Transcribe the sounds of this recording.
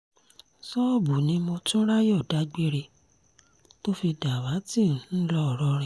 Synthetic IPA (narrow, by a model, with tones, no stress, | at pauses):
sɔ˦bu˨nĩ˨˦mɔ̃˧tũ˦ɾa˦jɔ˦˨da˨˦ɡ͡be˦ɾe˧ | to˦fi˧da˨wa˨˦ti˦˨ñ̩˨˦lɔ˦ɔ˨ɾɔ˧˦ɾɛ̃˧˨